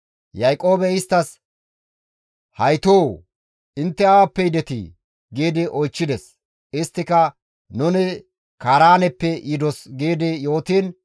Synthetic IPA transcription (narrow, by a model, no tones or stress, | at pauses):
jɐjkʼo̞ːbɛɪst̪ːɐs | hɐjt̪oː | ɪnt̪ːɛɐwapːɛjɪd̪ɛt̪ḭ | ɡiːd̪ɪʔɔjt͡ʃːɪd̪ɛs | ɪst̪ːɪkɐ | nʊnɪ | kaːɾaːnɛpːɛjɪd̪ɔsɡiːd̪ɪjo̞ːt̪iːn